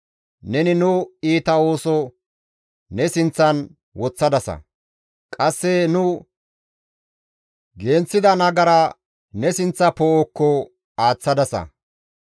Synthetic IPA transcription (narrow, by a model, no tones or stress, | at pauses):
nɛnɪnʊiːt̪ɐo̞ːsɔ | nɛsɪnt͡sːɐn | wɔt͡sːɐd̪ɐsɐ̰ | kʼɐsːɛnʊ | ɡe̞ːnt͡sːɪd̪ɐnɐɡɐɾɐ | nɛsɪnt͡sːɐpoɔkːɔ | aːt͡sːɐd̪ɐsɐ̰